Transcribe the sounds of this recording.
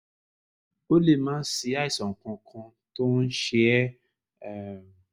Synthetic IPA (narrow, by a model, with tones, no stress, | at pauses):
o˦le˦˨mãː˦n̩˦si˧˦a˦i˨sɔ̃˨ŋ̩˨kɔ̃˧kʰã˧ | to˦n̩˦ʃe˧ɛ˦˨